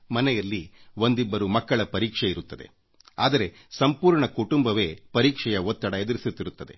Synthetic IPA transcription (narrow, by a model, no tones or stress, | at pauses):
mɐnɛjɐlːio̞nd̪ibːɐɾumɐkːɐɭɐpɐɾiːkʂeiɾut̪ːɐd̪e̞̰ | a̰ːd̪ɐɾe̞ | sɐmpuːɾɳɐkuʈumbɐʋe̞ːpɐɾiːkʂɛjɐʋot̪ːɐɽɐed̪ɐɾisut̪ːiɾut̪ːɐd̪e̞̰